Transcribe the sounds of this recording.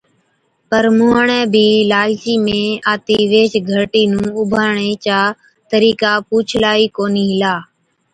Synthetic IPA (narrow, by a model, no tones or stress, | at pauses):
pəɾmʊːɦəɳɛ̃ːbʱiːlaːlt͡ʃiːmẽːaːt̪iːʋeːt͡ʃɡʱəɾʈiːnũːʊbʱaːɳeːt͡ʃaː | t̪əɾiːkaːpuːt͡ʃʰlaːiːkoːniːɦɪlaː